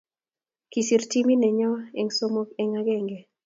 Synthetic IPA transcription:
ki˨si˨ɾti˦mi˦nɛ˨ɲɔ˦ɛ˨ŋso˦mo˦kɛ˨ŋa˦ɡɛ˦ŋɡe˨

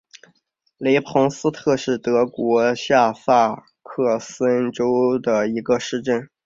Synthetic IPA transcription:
le˧˥ɪpʰʊ˧˥ŋsɹ̩˥t̪ʰɤ˥˧ʂɻ̩˥˩t̪ɤ˧˥kwɔ˧˥ɕja˥˧sa˥˧ | kʰɤ˥˩sə˥nʈ͡ʂo˥ʊd̪ə˨˩i˧˥ɡə˧ʂɻ̩˥˧ʈ͡ʂə˥˩n

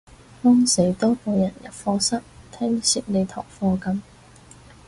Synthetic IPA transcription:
fɔː˥ŋse˨˥˩jt̪ɔː˥po˨˧jɐ˨˩njɐ̰˨p̚fɔː˧sɐ˥k̚t̪ʰɛː˥ŋsi˨˧t̚le˨˧t̪ʰɔ̰ː˨˩ŋfɔː˧kɐ˨˥m

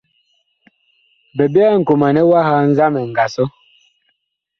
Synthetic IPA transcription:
bɛ˨bi˦a˦˨ŋ̩˨ko˨ma˨nɛ˦wa˦ha˦n̩˦za˦mɛ˨ŋ̩˨ɡa˨sɔ˦

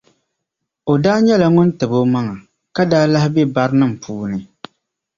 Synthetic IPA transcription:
o˨daː˦ɲɛ˦la˨ŋʊ˦ntɨ˨bo˦ma˦ŋa˨ | ka˦daː˦la˦hɪ˦bɛ˦ba˦ɾnɨ˦m̩˨pʰuː˦nɨ˨

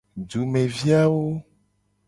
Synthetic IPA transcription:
d͡ʒu˨mẽ˨vi˦a˦wo˦

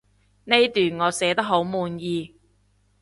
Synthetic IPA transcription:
ne˥jt̪yː˨˩nŋɔː˨˧sɛː˨˥t̪ɐ˥k̚ɦo˨˥wmuː˨˧njiː˧

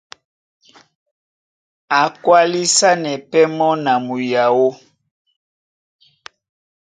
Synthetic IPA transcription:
a˨kwa˦li˦sa˦nɛ˨pɛ˦mɔ˦na˨mu˨ja˨wo˦

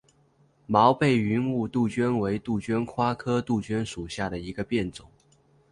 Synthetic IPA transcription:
mɑ˧˥ʊpe˥˩ɪy˧˥nu˥˧t̪u˥˩t͡ɕɥɛ˥nwe˧˥ɪt̪u˥˩t͡ɕɛ˥nkʰwa˥kʰɤ˥t̪u˥˩t͡ɕɛ˥nʂu˨˩ɕja˥˩ɾə˩i˧˥ɡə˧pjɛ˥˩nt͡sʊ˨˩˦ŋ

